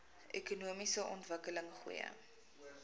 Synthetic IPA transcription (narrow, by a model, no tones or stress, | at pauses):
ʔekunuəmisəʔɔntvəkələŋχṵjə̰